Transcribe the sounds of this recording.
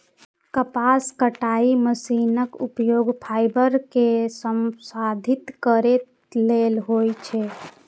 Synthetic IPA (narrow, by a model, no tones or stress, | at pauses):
kəpaskəʈaiməsinəkupjoɡpʰajbəɾkesəmsad̪ʱit̪kəɾet̪ | lelɦojt͡ʃʰɛ